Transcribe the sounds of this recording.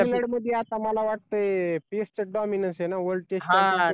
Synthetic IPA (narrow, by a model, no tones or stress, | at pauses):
leɽməd̪ʱːjeat̪aməlaʋaʈ̚t̪əepest͡ɕəɖɔminənsɦenaʋəɾɖ̚ʈesɦaə̃